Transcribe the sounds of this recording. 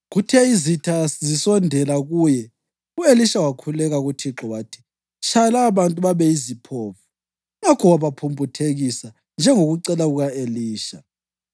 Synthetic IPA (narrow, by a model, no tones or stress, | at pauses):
ɣutʰɛizitʰaszisɔndʱɛlaɣujɛ | ueliʃawakʰulɛɣaɣutʰiǁɔwaːtʰi̥ | t͡ʃʰʼalaːβantʼuβaβɛizipʰoːfu | ŋakʰɔwaβapʰumpʼutʰeɣisa | nd͡ʒʱɛŋoɣuǀɛlaɣuɣaeliːʃa